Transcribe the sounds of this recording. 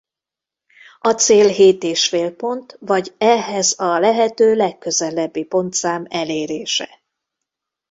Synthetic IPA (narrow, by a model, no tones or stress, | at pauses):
ɒt̪seːlɦeːt̪eːʃfeːlpo̞nt̪vɒɟɛɦɛzɒlɛɦɛt̪øːlɛkːø̞zɛlɛbːipo̞nt̪saːmɛleːɾeːʃɛ